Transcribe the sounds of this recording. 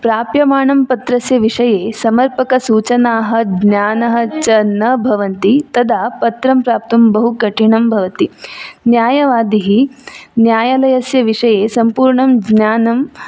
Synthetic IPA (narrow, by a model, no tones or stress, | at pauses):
pɾaːpjɐmaːɳɐmpɐt̪ɾɐsjɐʋiʂɐjeːsɐmɐɾpɐkɐsuːt͡ʃɐnaːɦɐ̆ɡnjaːnɐɦɐ̆t͡ʃɐnːɐbʱɐʋɐnt̪it̪ɐd̪ʱaːpɐt̪ɾɐmpɾaːpt̪ɐmbɐɦukɐʈiɳɐmbʱɐʋɐt̪injaːjɐʋaːd̪iɦinjaːjɐlɐjɐsjɐʋiʂɐjeːsɐmpuːɾɳɐmɡnjaːnɐm